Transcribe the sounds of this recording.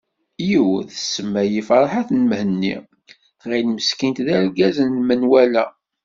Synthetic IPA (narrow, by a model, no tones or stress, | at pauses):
jiwθəsːəmːæjifɑɾˤħaθnmhənːḭ | θʁinməskint̪ðæɾɡæzənlmənwælæ